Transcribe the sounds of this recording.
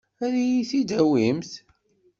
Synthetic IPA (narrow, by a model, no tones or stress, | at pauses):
æɾijiθid̪æwimθ